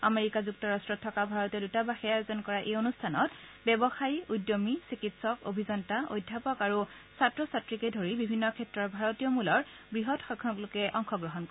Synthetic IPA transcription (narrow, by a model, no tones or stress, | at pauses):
a̰meɹikazuk̚tɔɹastɹɔtʰːɔkabʱaɹɔtɛdutabaxɛjazɔnkɔɹaʔejonustʰanɔt | bɛbɔxajujdːomisikitsɔko̰bʱizɔntaʔo̰jdʱːapɔkaɹu | satɹɔsatɹikɛdʱoɹibibʱinːɔkʰɛtɹɔɹbʱaɹɔtijɔmulɔɹ | bɹiɦɔtxɔkʰɔklokɛʔɔŋxɔɡɹɔɦɔnk